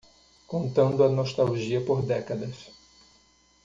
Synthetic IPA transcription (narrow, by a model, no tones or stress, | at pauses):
kõnt̪ɐ̃nd̪ʊɐnoʃt̪awʒiɐpoɾd̪ɛkɐd̪ɐs